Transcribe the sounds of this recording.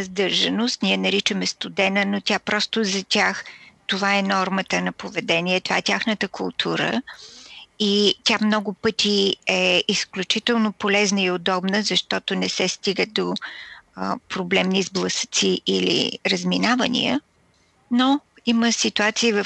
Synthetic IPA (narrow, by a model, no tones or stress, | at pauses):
zd̪ɤɾʒɐnost̪niɛnɐɾit͡ʃəmɛst̪ud̪ɛnənot̪ʲjapɾɔst̪ozɐt̪ʲaxt̪ovaɛnɔɾmət̪ənɐpovɛd̪ɛniɛt̪ova̰ɛtʲaxnət̪əkʰʊlˠt̪ʰuɾə̰ | it̪ʲamnɔɡʊpɤt̪iɛisklʲut͡ʃit̪ɛlˠnopolɛznəiod̪ɔbnəzɐʃt̪ɔt̪onɛsɛst̪iɡəd̪o | pɾoblɛmnizblˠɐsə̥t̪siʔilḭɾəzminavənḭə̰ | no | iməsit̪uat̪siːvə